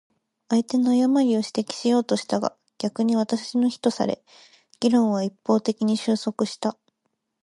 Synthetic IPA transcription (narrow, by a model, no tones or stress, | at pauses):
aet̪e̞no̞ajamaɾʲio̞ɕi̥t̪ekʲi̥ɕijo̞ːt̪o̞ɕi̥t̪aɡa̰ | ɡ̥ʲakɯ̟ɲ̟iβ̞at̪aino̞çi̥t̪o̞sa̰ɾe̞̰ | ɡ̥ʲiɾõ̞ɰ̃β̞aipːo̞ːt̪e̞kʲiɲ̟iɕɨːso̞kɯ̟ɕi̥t̪a